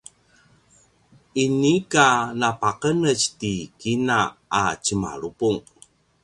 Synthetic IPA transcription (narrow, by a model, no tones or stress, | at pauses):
inikanapaqənət͡ɕtikinaat͡ɕəma̰ɭupuŋ